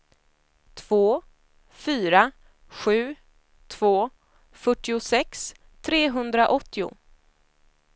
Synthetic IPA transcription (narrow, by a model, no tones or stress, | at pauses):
t̪ʰv̥oː | fyːɾa | ɧʉ̟ː | t̪ʰv̥oː | fœʈːɪʊsɛks | t̪ʰɾeːɦɵnd̪ɾaʔɔt̪ːɪʊ̰